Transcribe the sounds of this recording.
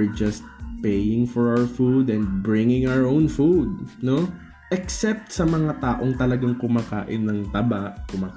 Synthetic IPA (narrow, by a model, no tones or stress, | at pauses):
ɹd͡ʒɐst̪̚pejɪŋfɔɹawəɹfud̪ɛ̃nd̪̚bɹɪŋɪ̃ŋawəɹʔownfud̪̚no | ʔɛksɛp̚t̪̚sɐmɐŋat̪aːʔo̞ŋt̪ɐlɐɡaŋkʊmaːka̰ːʔɪnːɐŋt̪ɐbaʔkʊmaːk